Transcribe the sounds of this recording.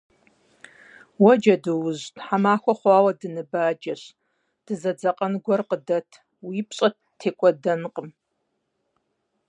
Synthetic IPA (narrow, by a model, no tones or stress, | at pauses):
wɔd͡ʒɐdɨwʊʑtħamaːxʷɔχʷɑːwɐdɨnɨbaːd͡ʒɐɕ | d̥ɨzɐd͡zɐqʼɐnɡʷɔrqədɐtʰ | wiːpɕʼɐt | tʰːeːkʷʼɔdɐnqʼəm